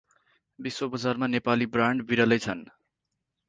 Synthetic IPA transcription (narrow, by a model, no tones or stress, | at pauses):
biswobʌd͡zarmanepalibraɳɖbiɾʌlʌjt͡sʰʌn